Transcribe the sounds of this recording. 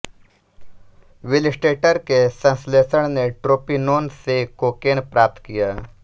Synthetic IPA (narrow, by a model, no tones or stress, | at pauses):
ʋɪlɪsʈeːʈəɾkesə̃nsleːsəɽ̃neʈɾoːpinoːnsekoːkeːnpɾaːp̚t̪kijaː